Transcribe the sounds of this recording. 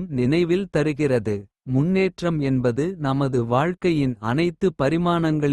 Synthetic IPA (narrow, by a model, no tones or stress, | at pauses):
mnɪnɐɪʋɪlt̪ɐɾɯɣɪrɐðɯ | mʊnːeːʈrɐmɛnbɐðɯnɐmɐðɯʋaːɻkɐjɪnɐnɐɪt̪ːɯpɐɾɪmaːnɐŋɡɐɭ